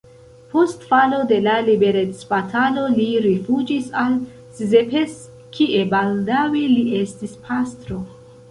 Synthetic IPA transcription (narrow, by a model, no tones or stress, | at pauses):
po̞stfalo̞de̞lalibe̞ɾet͡sbatʰalo̞liɾifud͡ʒisal | sizepes | kʰiʔe̞baldawiliʔe̞stispʰastɾo̞